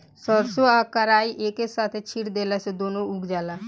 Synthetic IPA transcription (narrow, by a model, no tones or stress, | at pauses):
sɔɾsoaːkəɾaːiʔeːkesaːt̪ʰet͡ʃʰiʈd̪eːlased̪oːnõʊɡd͡ʒaːlaː